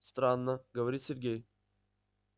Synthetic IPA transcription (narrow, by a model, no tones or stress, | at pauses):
st̪ɾanːəɡəvɐɾʲit̪sʲɪrɡʲej